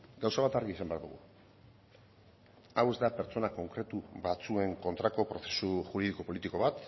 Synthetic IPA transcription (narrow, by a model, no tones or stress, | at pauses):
ɡawsaβat̪aɾɣiːsambe̞aɾd̪ṵɣṵ | awe̞zd̪ape̞ɾt͡so̞nako̞ŋkɾe̞t̪uβat͡sue̞ŋko̞nt̪ɾako̞pɾo̞θe̞suʝuɾiðiko̞po̞lit̪iko̞βat̪